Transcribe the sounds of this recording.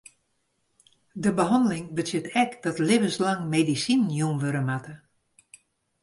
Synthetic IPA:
dəbəɦɑndəlɪŋbəsɪtɛkd̥ɔtlevənslaŋmedisinjumʋøɾəmatə

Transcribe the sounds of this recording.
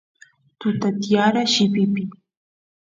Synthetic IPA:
t̪ʊt̪at̪ijaɾaʃɪpɪpɪ

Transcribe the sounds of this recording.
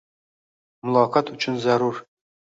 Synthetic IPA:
mʊlˠɑqɑt̪ɵt͡ʃʰɪnzæɾuɾ

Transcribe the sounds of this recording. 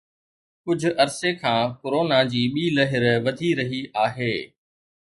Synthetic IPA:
kʊd͡ʑʱʊ̆ʔɐɾsekʰãːkʊɾoːnad͡ʑiːɓiːlɐɦɪɾʋɐd̪ʱiɾɐɦiʔaːɦeː

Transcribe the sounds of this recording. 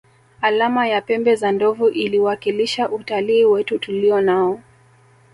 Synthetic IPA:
alamajapɛmbɛzandɔvuʔiliwakiliʃaʔutaliːwɛtutuliɔnaɔ

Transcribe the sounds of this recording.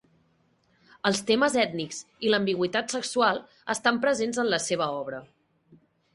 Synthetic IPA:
əlˠst̪eməzɛt̪nikziləmbiɣwit̪at̪səkswalˠ | əst̪ampɾəzenzənləseβəɔβɾə

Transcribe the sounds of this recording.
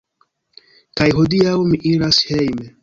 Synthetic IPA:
kajɦodiawmiʔiɾashejme

